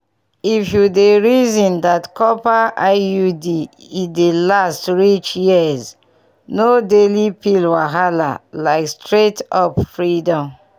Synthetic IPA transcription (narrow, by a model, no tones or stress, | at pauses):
ifjudeɹizĩndatkɔpaajudi | idelastɹit͡ʃjiz | nodelipilwaɦala̰laɪkstɹetɔpfɹidɔ̃m